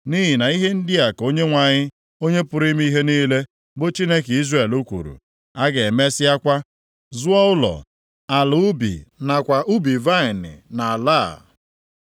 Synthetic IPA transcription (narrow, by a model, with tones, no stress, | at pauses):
ni˦ɦi˨na˨i˦ɦe˦n̩˦dɪ˦a˨ko˦ɲe˦ŋʷa˨ɲɪ˦ | o˦ɲe˦pʊ˨ɾi˦m˦i˦ɦe˦niː˦le˦ | bo˦t͡ʃi˦ne˦ki˦zre˨lu˦kʷṵ˨ɾṵ˨ | a˦ɡe˨me˦sɪ˦a˦kʷa˦ | zʊ˦ɔ˦ʊ˦lɔ̰˨ | a˨lʊ˨˦ʊ˦bḭ˨na˨kʷa˨ʔu˦bi˨va˦ɪ˨nɪ̰˨na˨a˨la˦˨